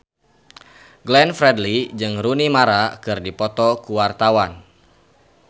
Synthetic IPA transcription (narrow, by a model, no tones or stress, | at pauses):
ɡlɛnfɾɛdlid͡ʒɨŋɾunimaɾakɨrdipɔt̪ɔkuwart̪awan